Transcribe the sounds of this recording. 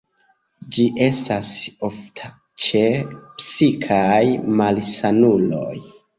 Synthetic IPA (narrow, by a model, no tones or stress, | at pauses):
d͡ʒiʔe̞stasoftʰa | t͡ʃe̞psikʰajmalsanulo̞̰j